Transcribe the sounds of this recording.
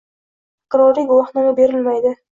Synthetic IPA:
qʰɨɾɒɾiɡʊwɑχnamabe̞ɾɪlmajd̪ɪ

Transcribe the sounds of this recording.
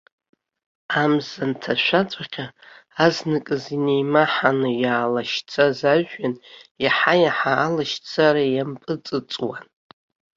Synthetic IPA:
amzantʰaʃʷᶣat͡sʷʼaχʲaaznɨkʼɨzine̞jmaħanɨjaːlaʃt͡sʰazaʒᶣːanjaħajaħa̰ːlaʃt͡sʰaɾajampʼɨt͡sʼɨt͡sʼwan

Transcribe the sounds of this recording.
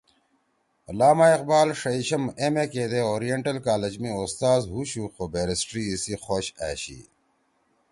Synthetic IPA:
laːmaːiq̚baːlʂɐiɕɐmemekeːd̪eoːɾijeɳʈɐlkaːled͡ʑmĩost̪aːzɦuɕuːxobeːɾisʈɾiisixoːɕa̰ːɕḭː

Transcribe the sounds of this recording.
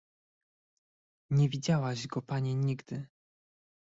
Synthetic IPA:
ɲɛvʲid͡ʑawaʑɡɔpaɲɛɲiɡd̪ɘ

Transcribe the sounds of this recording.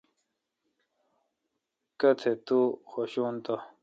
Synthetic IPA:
kɐt̪ʰet̪uxoɕuːnt̪a

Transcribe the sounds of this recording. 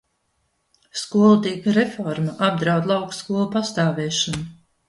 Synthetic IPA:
skuɔlˠut̪iɛkɾefɔɾmaʔab̚d̪ɾawd̪lˠɑwkskuɔlˠupast̪aːvɛːʃɔnu

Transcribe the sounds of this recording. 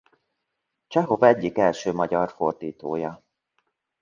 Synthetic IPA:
t͡ʃɛɦo̞vɛɟːikɛlʃøːmɒɟɒrfo̞rd̪iːt̪oːjɒ

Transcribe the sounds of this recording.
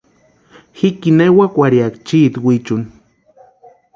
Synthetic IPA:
xikinewakʷaɾjakt͡ʃit̪wit͡ʃun

